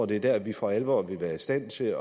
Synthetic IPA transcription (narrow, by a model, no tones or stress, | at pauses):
ɐd̥e̝æɐd̥æɐæʋifɒælʋɒ̰ːʋe̝ʋæːɐisd̥æn̰t͡sʰe̝ɒ